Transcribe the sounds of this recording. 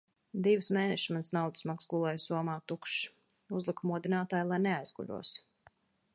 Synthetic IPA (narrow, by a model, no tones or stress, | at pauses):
d̪ivɨsmeːnɛʃmant̪snawd̪ɨsmaksɡulˠɔjsuɔmaːt̪ukʃ | uzlˠikumuɔd̪inaːt̪aːjlˠajnɛajzɡṵʎʲṵɔs